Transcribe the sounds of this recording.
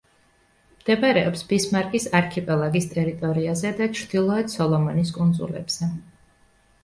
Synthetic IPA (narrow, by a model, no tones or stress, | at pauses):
md̪̥ɛbaɾɛɔpsbismaɾkʼisaɾkʰɛpʼɛlˠaɡist̪ʼɛɾit̪ʼɔɾiazɛd̪at͡ʃʰɾd̪̥ilˠɔɛt̪sɔlˠɔmɔniskʼund̪zṵlɛ̰bz̥ɛ